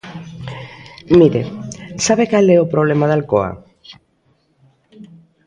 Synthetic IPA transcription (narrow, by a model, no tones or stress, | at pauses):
miɾesaβekalɛopɾoβ̞lemaðalkoa̰